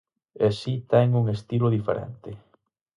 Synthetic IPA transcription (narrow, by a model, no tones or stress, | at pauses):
easit̪ɛŋuŋest̪iloðifeɾɛ̰nt̪ɪ